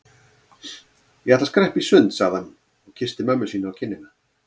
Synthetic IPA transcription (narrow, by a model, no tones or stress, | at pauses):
jɛhɛt̪askɾɛhpisʏnt̪saɣðhanː | ɔɣcʰɪst̪ɪmœmːʏsiːnaːwcʰɪnːɪna